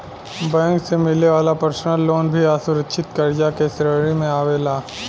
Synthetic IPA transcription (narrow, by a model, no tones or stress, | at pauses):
bɛ̃ːŋksemɪleʋaːlapəɾsnəlːoːnbʱiaːsʊɾəkʃʰɪt̪kɐɾd͡ʒakesɾəɾimẽaːʋeːlaː